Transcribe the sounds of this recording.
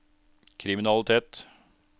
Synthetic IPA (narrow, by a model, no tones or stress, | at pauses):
kʰɾɪmɪnɑlˠɪt̪ʰeːt̪